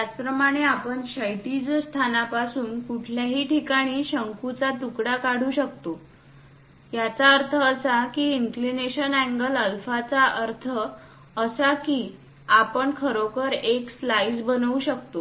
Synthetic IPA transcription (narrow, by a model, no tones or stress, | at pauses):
t̪jat͡spɾəmaɽ̃eapəɳɕəjʈid͡zst̪ʰanapasuːnkuʈʰljaɦiːʈʰikaɽ̃iːɕəŋkut͡sat̪ukɽakaɽ̤uːɕək̚t̪o | jat͡saəɾt̪ʰəːsakiːiŋklineɕənæ̃ŋɡələlfat͡saʔəɾt̪ʰəː | sakiː | apəɳkʰəɾokəɾekslaid͡zbənʋuɕəkt̪o